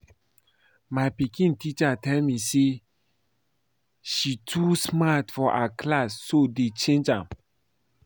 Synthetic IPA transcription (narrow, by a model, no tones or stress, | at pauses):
maɪpikĩntit͡ʃatɛlmise | ʃitʰusmatfɔʔakʰlasːodet͡ʃẽnd͡ʒãm